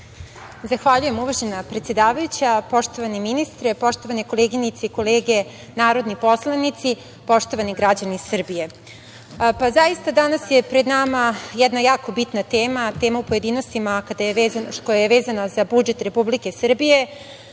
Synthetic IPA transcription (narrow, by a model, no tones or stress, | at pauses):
zaxʋaʎuje̞muʋaʒenapɾet̪sje̞d̪aːʋajut͡ɕapo̞ʂt̪o̞ʋaniminist̪ɾepo̞ʂt̪oʋaneko̞leɡinit̪seiko̞leːɡe̞ | naːɾo̞d̪nipo̞slˠanit̪si | po̞ʂt̪o̞ʋaniɡɾad͡ʑaniːsr̩bije̞ | pazaist̪ad̪anasjepɾe̞d̪namajɛd̪najaːko̞bit̪nat̪eːmat̪e̞ːmaupoje̞d̪iːno̞st̪imakad̪ajeʋeːzankojajeʋeːzanazabud͡ʒe̞t̪ɾe̞publike̞sr̩bije̞